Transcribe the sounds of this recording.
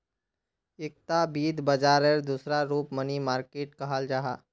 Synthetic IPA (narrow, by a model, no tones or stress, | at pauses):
ɪk̚t̪abiːd̪bɐd͡ʒaːɾeɾd̪uːsɾaɾuːpmənimaːɾkeːʈkɐɦaːld͡ʒaːɦaː